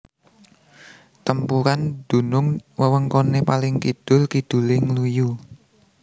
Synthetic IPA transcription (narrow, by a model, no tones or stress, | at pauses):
t̪əmpuɾand̪̥ṳnʊŋwəwəŋkonepalɪŋkid̪̥ʊ̤lkid̪̥ṳlɪŋluju